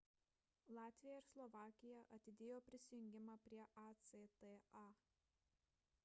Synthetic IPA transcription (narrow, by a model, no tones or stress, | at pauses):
lˠɑːt̪ʲʋʲɪjɛɪɾslˠɔʋɑːkʲɪjɛʔɐt̪ʲɪd̪ʲeːjoːpʲɾʲɪsʲɪjʊŋʲɡʲɪmɑːpʲɾʲiɛʔɑt̪set̪ɛɑː